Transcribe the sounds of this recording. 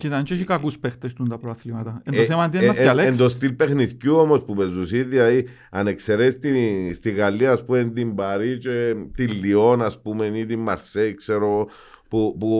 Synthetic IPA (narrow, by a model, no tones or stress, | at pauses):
cit̪ant͡ʃoʃikakuspext̪est̪und̪ɐpɾoaθlimɐt̪ɐenoθemand̪ienat̪ialeend̪os̬t̪ilpexniθcuomo̞spupezusiðiai | anekseɾest̪ist̪iɣalːiaːspumend̪imbaɾit͡ʃet̪ilːio̞naspumenit̪imːaɾseikseɾo | pupu